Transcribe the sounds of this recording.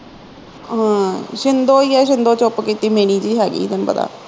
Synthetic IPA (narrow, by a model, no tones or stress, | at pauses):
ɦãːʃɪnd̪oːiːɛːʃ̬ɪnd̪oːt͡ʃʊpkiːt̪iːmeːñiːd͡ʒiːɦɛːɡḭːd̪ənpə̰d̪a̰ː